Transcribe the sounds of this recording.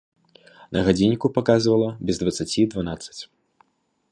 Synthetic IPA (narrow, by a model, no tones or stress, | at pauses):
nʔɐɣad͡zʲinʲːikupakazvɐlˠɐbʲɛzd̪vɐt̪sat͡sʲid̪vanat̪sɐ̥t͡sʲ